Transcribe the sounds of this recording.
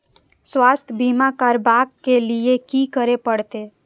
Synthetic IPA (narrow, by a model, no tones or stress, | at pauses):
swaːst̪ʰəbimakəɾbakːeliekikəɾepəɽt̪e